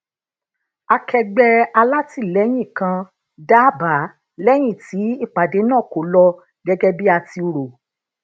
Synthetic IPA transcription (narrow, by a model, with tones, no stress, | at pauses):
a˧kʰɛ˧ɡ͡bɛ˧a˧la˦ti˦˨lɛ˨˦j̃ĩ˦˨kã˧ | da˦ba˨˦ | lɛ˦j̃ĩ˦˨ti˨˦i˦˨k͡pa˨de˨˦nãː˦˨ko˨˦lɔ˧ | ɡɛ˦ɡɛ˦bi˦a˧ti˧o˧ɾo˨